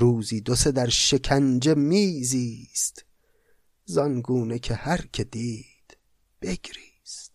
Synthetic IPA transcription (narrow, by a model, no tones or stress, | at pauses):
ɾuːziːd̪ose̞d̪æɾʃe̞kʰænd͡ʒe̞miːziːst̪ | zɒnɡuːne̞kʰehæɾcʰe̞d̪iː | d̪̥ | b̥e̞ɡɾiːst̪